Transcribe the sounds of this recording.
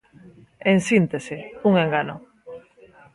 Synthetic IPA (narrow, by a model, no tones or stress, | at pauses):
ensint̪esɪuŋeŋɡano